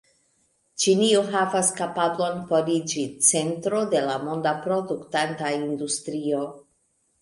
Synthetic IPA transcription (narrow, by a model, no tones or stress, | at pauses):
t͡ʃinioɦavaskapablo̞npo̞ɾid͡ʒit͡se̞ntɾo̞de̞lamo̞ndapɾo̞duktantaindustɾio̞